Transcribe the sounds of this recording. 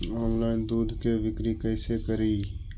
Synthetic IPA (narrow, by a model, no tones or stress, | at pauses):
ɔːnlaːɪnd̪uːd̪ʱkeʋɪkɾikɛːsekɐɾiː